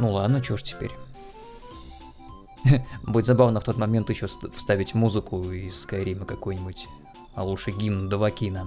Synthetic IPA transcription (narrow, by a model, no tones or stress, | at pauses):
nulˠad̪nət͡ɕoʂtʲɪ̥pʲḛɾʲ | buɪt̪ʲzɐbavnəft̪o̞t̪mɐmʲe̞nt̪jɪɕːofst̪avʲɪtʲmuzɨkʊɪsːkɐɾʲiməkɐkojnʲɪbʊtʲ | ɐlˠuʂɨɡʲimnd̪əvɐkʲina